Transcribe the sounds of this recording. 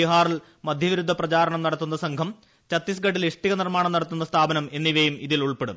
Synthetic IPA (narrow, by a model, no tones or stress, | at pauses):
iɦaːril | mɐd̪ʱjɐʋiɾud̪ʱːɐprɐt͡ɕaːɾɐɳɐmnɐɽɐt̪ːunːɐsɐŋkʰɐm | t͡ɕɐt̪ːisɡɐʈːiliʂʈiɣɐnirmaːɳɐmnɐɽɐt̪ːunːɐst̪ʰaːbɐnɐme̞nːiʋejumiðiluɭpeɽṵm